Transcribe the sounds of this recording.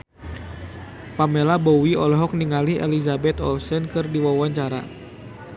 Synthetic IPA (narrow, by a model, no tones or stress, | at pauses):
pamelabɔwiɔlɔɦɔk̚niŋalihʔɛ̰lizabɛt̪ɔ̰lsɛnkɨrdiwawaɲt͡ʃaɾa̰